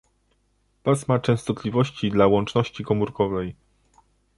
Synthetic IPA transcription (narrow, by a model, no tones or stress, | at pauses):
pasmat͡ʂɛ̃w̃st̪ɔt̪lʲivɔɕt͡ɕid̪lawɔnt͡ʂnɔɕt͡ɕikɔmuɾkɔvɛj